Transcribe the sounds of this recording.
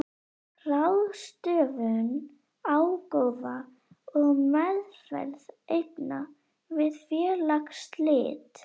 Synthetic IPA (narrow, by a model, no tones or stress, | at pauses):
rawðst̪œːvʏn | awkowva | ɔɣmɛðfɛ̰lðejpna̰ | vɪðfjɛːɾlakst̪lɪ̰ːt̪